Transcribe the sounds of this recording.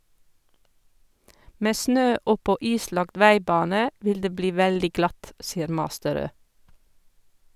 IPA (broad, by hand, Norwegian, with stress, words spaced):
ˈmeː ˈsnøː ˈɔpɔ ˈiːˌslɑɡt ˈʋæɪˌbɑːnə ˈʋɪl ˈdeː ˈbliː ˈʋældɪ ˈɡlɑt ˈsiːəɾ ˈmɑːstəˌɾøː